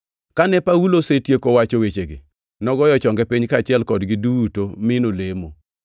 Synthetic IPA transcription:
kanɛpawulosetjekowat͡ʃowet͡ʃeɡe | nɔɡɔjɔt͡ʃɔŋɡɛpiɲkaːt͡ʃɪɛlkɔdɡɪdutomɪnolemo

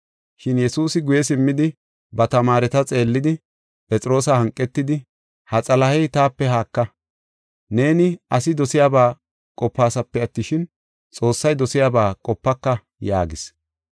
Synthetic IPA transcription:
ʃɪnjɛsuːsɪɡʊjɛsɪmːɪd̪ɪ | bɐt̪ɐmaːɾɛt̪ɐt͡sʼe̞ːlːɪd̪ɪ | pʼɛt͡sʼɪɾo̞ːsɐhɐŋkʼːɛt̪ːɪd̪ɪ | hɐt͡sʼɐlɐhɛjt̪aːpːɛhaːkːɐ | ne̞ːnɪɐsɪd̪ɔsɪjaːbaː | kʼɔpːaːsɐpːɛɐt̪ːɪʃɪn | t͡sʼo̞ːsːɐjd̪ɔsɪjaːbaːkʼɔpːɐkːɐ | ja̰ːɡɪs

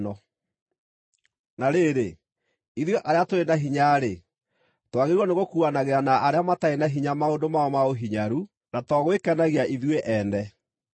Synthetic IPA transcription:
nɔ | naɾeːɾe | iðweʔaɾeatoɾenaɦiɲaːɾe | twaɣeɾwɔneɣokuanaɣeɾanaʔaɾeamataenaɦiɲamaondomaɔmaoɦiɲaɾu | natɔɣwekanaɣiaʔiðweʔɛndɛ

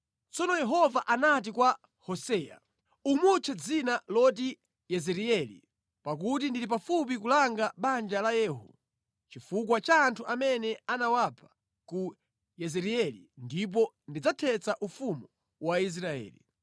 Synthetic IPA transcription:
t͡sɔnɔjɛɦɔvaʔanat̬ikwa | hɔsɛːja̰ | umut͡ʃʰɛd͡zinalɔt̬i | jɛzɛɾiɛlḭ | pak̬ut̬indilip̬afup̬ikulaŋɡaɓand͡ʒalajɛːɦṵ | t͡ʃifukwat͡ʃaːntʰuʔamɛnɛanawapʰḁ | ku | jɛzɛɾiɛlḭndip̬ɔ | ndid͡zatʰɛt͡saʔufumu | wais̬ɾaɛ̰ːlḭ

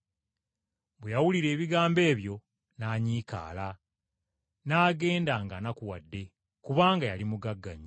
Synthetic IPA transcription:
bwejawuliɾe̞ːβiɡaːmbe̞ːβjo̞ | naːɲiːka̰ːla | naːɡe̞ːndaːŋɡanakuwadːe̞ | kuβaːŋɡajalimuɡaɡːa̰ɲi

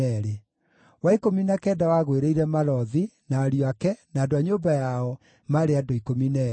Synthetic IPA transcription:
ɛɾe | waikominakɛːdawaɣweɾeiɾɛmaɾɔðinaːɾjoakɛnaːdoaɲoːbajaɔ | maɾeadoikominɛ

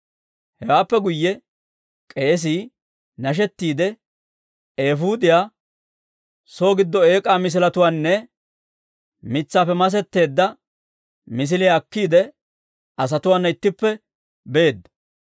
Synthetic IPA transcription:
hɛwaːpːɛɡʊjːɛ | kʼe̞ːs̬iː | nɐʃ̬ɛt̪ːiːd̪ɛ | e̞ːfuːd̪ɪjaː | so̞ːɡɪd̪ːɔe̞ːkʼaːmɪs̬ɪlɐt̪ʊwaːnːɛ | mɪt͡sːaːpːɛmɐs̬ɛt̪ːe̞ːd̪ːɐ | mɪs̬ɪlɪjaːkːiːd̪ɛ | ɐs̬ɐt̪ʊwaːnːɐɪt̪ːɪpːɛ | be̞ːd̪ːɐ̥

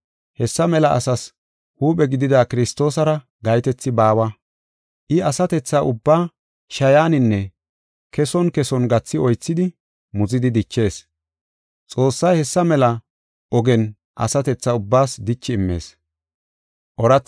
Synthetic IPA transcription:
hɛsːɐmɛlɐʔɐ̰sɐs | huːpʼɛɡɪd̪ɪd̪aːkɪɾɪst̪o̞ːsɐɾɐ | ɡɐjt̪ɛt͡sːɪbaːwɐ | ʔɪɐsɐt̪ɛt͡sːaʔʊbːaː | ʃɐjaːnɪnːɛ | kɛsɔnkɛsɔnɡɐt͡sːɪɔjt͡sːɪd̪ɪ | mʊzɪd̪ɪd̪ɪt͡ʃːe̞ːs | t͡sʼo̞ːsːɐjhɛsːɐmɛlɐ | ʔɔɡɛn | ʔɐ̰sɐt̪ɛt͡sːɐʊbːaːsd̪ɪt͡ʃːɪɪmːe̞̰ːs | ʔɔɾɐt͡sː

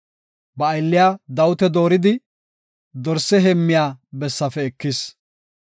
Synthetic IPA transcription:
bɐːjlːɪjaːd̪ɐwʊt̪ɛd̪o̞ːɾɪd̪ɪ | d̪ɔɾsɛɦɛmːɪjaːbɛsːɐfɛɛkːɪs

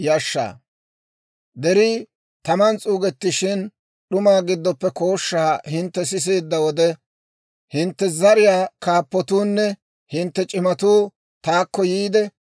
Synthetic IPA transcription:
jɐʃːa̰ː | d̪ɛɾɪ | t̪ɐmɐnt͡sʼuːɡɛt̪ːɪʃɪn | ɗʊmaːɡɪd̪ːɔpːɛko̞ːʃːaːhɪnt̪ːɛs̬ɪs̬eːd̪ːɐwɔd̪ɛ | hɪnt̪ːɛzɐɾɪjaːkaːpːɔt̪uːnːɛ | hɪnt̪ːɛt͡ʃʼɪmɐt̪uː | t̪aːkːɔjiːd̪ɛ

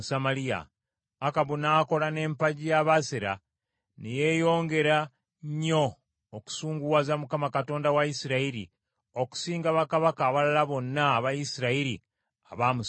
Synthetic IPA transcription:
samalija̰ː | kaβunaːko̞lane̞ːmpaɟijaβaseɾa̰ | neje̞jo̞ːŋɡe̞ɾa | ɲːo̞ː | ku̥suːŋɡuwazamukamakato̞ːndawajisiɾaiɾḭ | o̞ku̥siːŋɡaβakaβakaːβalalaβo̞nːaːβajisiɾaiɾḭ | aβaːmu

